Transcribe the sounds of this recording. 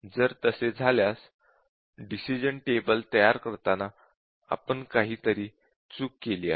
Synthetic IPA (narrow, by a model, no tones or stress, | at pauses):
d͡zəɾt̪əsed͡zʱaljas | ɖisid͡ʑəɳʈebəlt̪əjaɾkəɾt̪ana | a̰pəɳkaɦiːt̪əɾiː | t͡suːkːeliːa